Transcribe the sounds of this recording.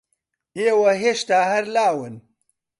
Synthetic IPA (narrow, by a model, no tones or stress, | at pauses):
eːwɐɦeːʃt̪aːhɐɾlaːwɨn